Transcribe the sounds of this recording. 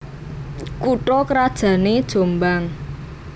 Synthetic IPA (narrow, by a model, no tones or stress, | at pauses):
kuʈɔkəɾad̥ʒ̥ä̤ned̥ʒ̥o̤mbaŋ